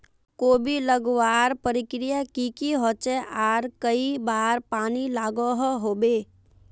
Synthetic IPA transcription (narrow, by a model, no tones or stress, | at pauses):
koːbiləɡwaːɾpəɾɪkɾijakikiɦot͡ʃeʔaːɾkəibaːɾpaːnilaːɡoɦɦoːbeː